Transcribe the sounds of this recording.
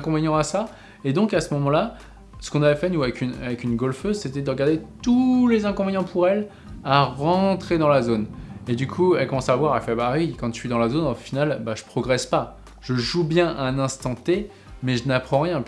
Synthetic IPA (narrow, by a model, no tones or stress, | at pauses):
ɛ̃kɔ̃veɲɑ̃asa | ed̪ɔ̃kasəmɔmɑ̃la | sə̥kɔ̃navɛfɛnuavɛkynavɛkynɡɔlføzset̪ɛd̪əʁəɡaʁd̪et̪ulezɛ̃kɔ̃veɲɑ̃pʰuʁɛl | aʁɑ̃t̪χed̪ɑ̃lazoned̪ykʰuɛlkɔmɑ̃savwaʁɛlfɛbawikɑ̃ɥid̪ɑ̃lazonɑ̃finalbaʒə̥pχɔɡʁɛspa | ʒ̥əʒubjɛ̃ʔɛ̃nɛ̃st̪ɑ̃t̪e | mɛʒənapχɑ̃ʁjɛ̃